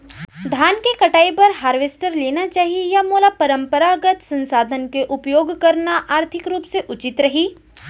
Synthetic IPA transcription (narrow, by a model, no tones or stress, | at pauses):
d̪ʱaːnkekɐʈaːipɐɾɦaːɾʋeːsʈəɾleːnat͡ʃaːɦiejamoːlapɐɾə̃mpəɾaɡət̪sɐ̃nsaːd̪ʱənkeʔʊpjoːɡkɐɾnaʔaːɾt̪ʰɪkɾuːpseʔʊt͡ʃɪt̪ɾɐɦiː